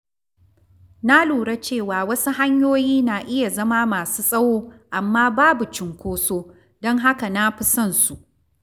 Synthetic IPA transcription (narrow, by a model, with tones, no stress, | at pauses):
na˦luː˨ɽa˦t͡ʃeː˦˨waː˨wɐ˦su˦ɦa˦ɲjoː˦jiː˦naː˨ʔɪ˦ja˨zɐ˦maː˦maː˨suː˦sʼɐ˦woː˦ʔa˨mːaː˦baː˦bu˨t͡ʃɪ˨ŋkʷoː˦soː˦ | dɔ˦ŋɦa˦ka˨na˦ɸi˦sɐ˦˨nsu˨ʔ